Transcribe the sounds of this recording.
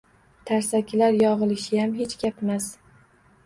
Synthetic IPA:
t̪ʰaɾsakʲʰɪlaɾjɒʁɨlˠɪʃɪjamɦet͡ʃɡʲapmas

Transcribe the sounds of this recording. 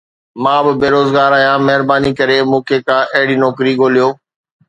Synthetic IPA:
mãːbɪbeːɾoːzɡaːɾaːjãːmɐɦɪɾbaːnikɐɾemũːkʰekãːʔɐɦɽinɔːkɾiɡoːlijoː

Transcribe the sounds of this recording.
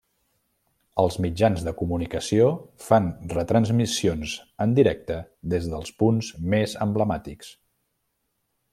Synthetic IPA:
əlˠzmid͡ʒanzðəkumunikəsiofanrət̪ɾənzmisionzənd̪iɾɛk̚t̪əðezðəlˠspunzmezəmbləmat̪iks

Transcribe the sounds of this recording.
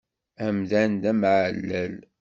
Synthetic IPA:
æmðænd̪æmʕəlːæl

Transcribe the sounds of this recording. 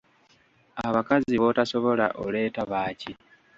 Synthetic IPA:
aβakaziβo̞taso̞βo̞la̰ʔole̞ːtaβaːci

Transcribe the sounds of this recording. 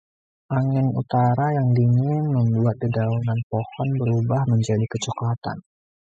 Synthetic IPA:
ʔaŋɪnṵt̪aɾajaŋdiŋɪnməmbuat̪̚didaunanpohɔnbəɾubahməɲd͡ʒadikət͡ʃɔkat̪a̰n

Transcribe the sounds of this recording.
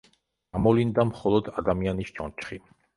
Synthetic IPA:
amɔlind̪amχɔlˠɔd̪ad̪amianisd͡ʒɔnt͡ʃʰχi

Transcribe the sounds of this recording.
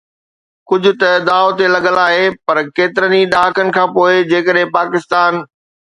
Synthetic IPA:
kʊd͡ʑʱʊ̆t̪ɐd̪aːot̪elɐɠəlaːɦepɐɾkeːt̪ɪɾəniɗaːkənɪ̆kʰãːpoːɪd͡ʑeːkəɗɦɪ̃paːkɪst̪aːn

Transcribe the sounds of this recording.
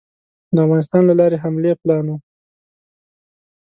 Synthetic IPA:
d̪əavɣɑnɪst̪ɑnlalɑɾeɦamleplɑno

